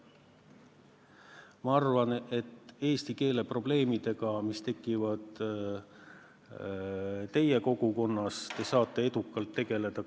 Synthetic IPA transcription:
mɑɑrvɑne̞t̪ːe̞ːst̪ike̞ːle̞pro̞ble̞ːmid̪̥e̞ɡ̥ɑmist̪e̞kːˑivɑd̪̥ | t̪e̞je̞ko̞ɡ̥uko̞nːɑst̪e̞sɑːt̪ːˑe̞e̞d̪̥ukːˑɑlt̪ːe̞ɡ̥e̞le̞d̪̥ɑ

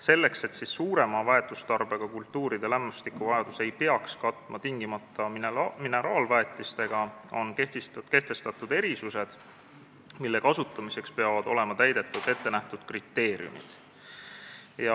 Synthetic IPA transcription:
se̞lːe̞kse̞t̪sisːuːɾe̞mɑvɑe̞t̪ːˑust̪ɑrbe̞ɡ̥ɑkult̪ːuːɾid̪̥e̞læmːust̪ikuvɑjɑd̪̥use̞jpeɑkskɑt̪ˑːmʔɑt̪iŋɡ̥imɑt̪ːˑɑmine̞ɾɑːlvæet̪ːˑist̪e̞ɡ̥ɑo̞̰nket̪ke̞ht̪e̞st̪ɑt̪ːˑud̪̥e̞ɾisuse̞d̪̥ | milːe̞kɑsut̪ːˑɑmise̞kspe̞ɑvɑd̪o̞le̞mɑt̪æjd̪e̞t̪ːˑud̪̥e̞t̪ːe̞næht̪ud̪̥krit̪ːe̞ːɾj̰ṵmḭd̪̥ | jɑ

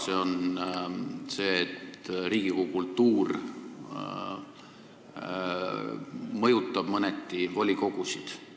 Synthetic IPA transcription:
seo̞n | se̞ːet̪ɾiːɡ̥ikoukult̪ːuːr | mɤjut̪ːˑɑb̥mɤnet̪ːivo̞lʲiko̞ɡ̥usid̪̥

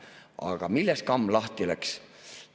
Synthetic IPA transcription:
ɑ̰ɡ̥ɑmilːeskɑmːlɑht̪ilæks

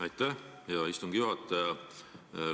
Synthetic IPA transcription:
ɑjt̪ːæhjɑist̪umɡ̥ijuɦɑt̪ːe

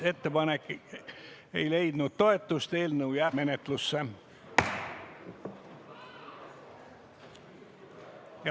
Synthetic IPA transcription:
e̞t̪ːepɑnekː | ḛjle̞jd̪̥nut̪t̪o̞e̞t̪ːˑust̪e̞ːlneujæːme̞net̪lusːe | jɑ

